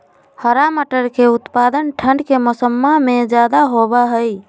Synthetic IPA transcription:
həɾaməʈəɾkeut̪pad̪ənʈʰəɳɖkeməsəmːamed͡ʒad̪aɦobəɦəj

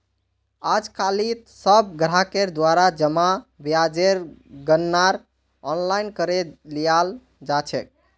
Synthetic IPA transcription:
ad͡ʒkalit̪səb̚ɡɾakeɾd̪waɾad͡ʒəmabjad͡ʒeɾɡənːaɾ | ɔnlajnkəɾelijal | d͡ʒat͡ʃʰɛ̰k̚

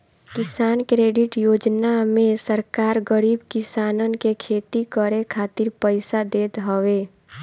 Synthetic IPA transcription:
kɪsaːnkɾeːɖɪʈjoːd͡ʒnamẽsəɾkaːɾɡəɾiːbkɪsaːnənkekʰeːt̪ikəɾekʰaːt̪ɪɾpəɪsad̪eːt̪ɦəʋeː

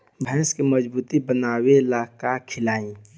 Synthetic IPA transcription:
bʱɛ̃skeməd͡ʒbuːt̪ibənaːwelaːkakʰɪlaːĩ

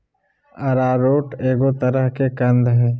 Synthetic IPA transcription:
ɐɾaːɾoːʈeːɡot̪əɾəɦkekɐ̃nd̪ɦɛː

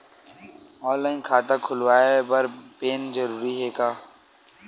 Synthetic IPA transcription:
ɔ̃ːnlaːɪnkʰaːt̪akʰʊlwaːebɐɾpeːnd͡ʒəɾuːɾiɦeːkaː

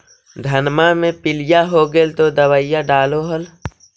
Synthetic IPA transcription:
d̪ʱənmamẽpɪlɪjaɦoɡelt̪od̪əwəjaɖaːloɦəl

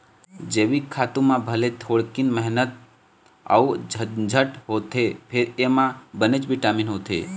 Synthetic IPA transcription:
d͡ʒeʋikʰːat̪ũmãbʱəlet̪ʰoɭkinməɦnət̪̚ | a̰ud͡ʒd͡ʒʱəʈɦot̪ʰepʰeɾemãbənet͡ʃbʱiʈaminɦot̪ʰḛ

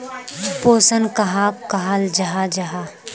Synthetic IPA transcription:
poːsənkɐɦakaɦald͡ʒɐɦad͡ʒɐɦa

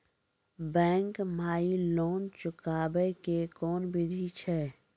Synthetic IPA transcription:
bɛ̃ːŋkmaːiloːnt͡ʃʊkaːbekekɔːnbʱiɾʱit͡ʃʰɛː

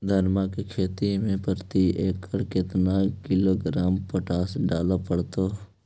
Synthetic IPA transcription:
d̪ʱənmakekʰeːt̪imẽpəɾt̪ieːkʰəɽkɪt̪nakɪloːɡɾaːmpəʈaːsɖaːlapəɽt̪oː

